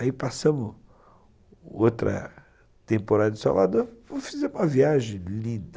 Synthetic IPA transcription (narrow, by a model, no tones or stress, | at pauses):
aipasɐ̃mʊ | ot̪ɾɐ̰ | t̪ẽpoɾad̪ɐd͡ʒɪsa̰va̰d̪oɾvofizɛɾũmɐviaʒẽj̃lĩd̪